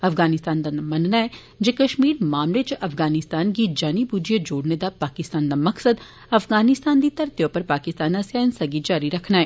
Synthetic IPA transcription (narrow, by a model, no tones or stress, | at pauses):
ɐfɡaːnɪst̪aːnd̪anamɐnnaɦɛ | d͡ʒekɐʃmiːɾmaːmlet͡ʃʔɐfɡaːnɪst̪aːnk̬id͡ʒaːnibud͡ʒijəd͡ʒoːɽned̪apaːkɪst̪aːnd̪amɐksəd̪ | ɐfɡaːnɪst̪aːnd̪it̪ɐɾt̪ijopɐɾpaːkɪst̪aːnasjaːɪnsɐɡid͡ʒaːɾiɾɐkʰnaɦɛː